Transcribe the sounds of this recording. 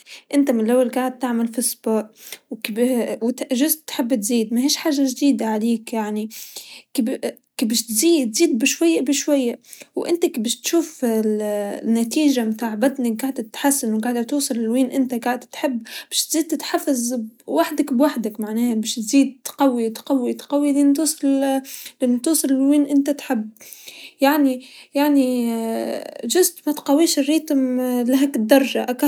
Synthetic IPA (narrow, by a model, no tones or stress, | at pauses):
ʔɪnt̪amɪnlʔawːalɡaʕɪd̪̚t̪aʕmalfɪsˤbɑːʔwkbwt̪ʒʊzt̪ħɪbːt̪ziːd̪̚maɦeːʃħaːʒaʒd̪iːd̪aʕaliːkjaʕnikb | kbɪʃt̪ziːt̪ziːd̪̚bɪʃwajːaʔbɪʃwajːaʔwʔɪ̰nt̪akbɪʃt̪ʃuːflnːat̪iːʒamt̪aːʕbad̪naɡaʕd̪t̪ħasːanwɡaʕd̪at̪uːsˤɨlɪlwiːnʔɪnt̪aɡaʕɪd̪t̪ħɪbːbaːʃt̪z̥iːd̪̚t̪ɪt̪ħafːazwaħd̪akbwaħd̪akmaʕnaːhabɪʃt̪ziːd̪̚t̪qɑwːit̪qɑwːit̪qɑwːiliːnt̪uːsˤɨllɪnːt̪uːsˤɨlwiːnʔɪnt̪at̪ħɪbːjaʕnijaʕni | ʒʊzʔmat̪qawiːʃɪrːiːt̪mlaɦakɪd̪ːɑɾˤʒaʔak